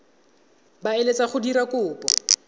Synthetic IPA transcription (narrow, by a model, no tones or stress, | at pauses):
baelet͡sʼaχʊdiɾakʊːpɔ